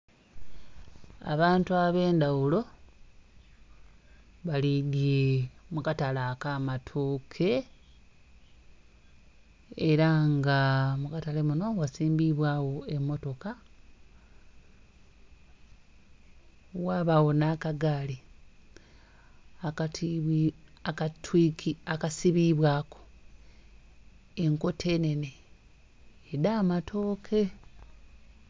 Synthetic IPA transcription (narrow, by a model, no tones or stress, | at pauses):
a̰βaːntuaβe̞ːndawulo̞ | βaliɡemukatalakaːmatʰoːkʰe̞ | eɾaŋɡamukatalemuno̞ɡwasiːmbiβwaːwo̞e̞mːo̞to̞ka | waːβawo̞naːkaɡaːli | akt | akatwikiakasiβiβwaːko | eŋko̞tʰe̞ne̞ne | daːmatʰo̞ːkʰe̞